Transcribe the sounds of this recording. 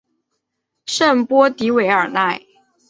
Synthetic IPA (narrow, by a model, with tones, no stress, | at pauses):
ʂə˥˨npwɔ˥t̪i˧˥we˧˥ɪə˞˨˩na˥˩ɪ